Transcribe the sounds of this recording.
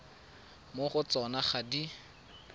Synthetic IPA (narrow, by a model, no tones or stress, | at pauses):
moχʊt͡sɔnaχadi